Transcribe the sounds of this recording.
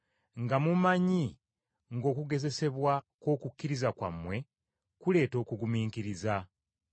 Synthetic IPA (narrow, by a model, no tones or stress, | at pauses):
ŋɡamumaɲi | ŋɡo̞ːkuɡe̞ze̞se̞βwako̞ːkukːiɾizakwa̰mːwe̞ | kule̞ːto̞ːkuɡumiːŋkiɾiza